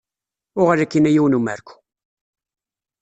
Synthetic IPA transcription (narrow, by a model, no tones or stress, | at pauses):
ʊʁalækːinæjiwənumæɾku̥